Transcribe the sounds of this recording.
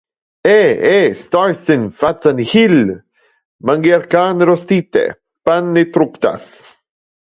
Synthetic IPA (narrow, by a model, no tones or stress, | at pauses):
eest̪aɾsinfat͡sanhil | maŋɡiaɾkanɾost̪it̪ḛ | panːit̪ɾupt̪a̰s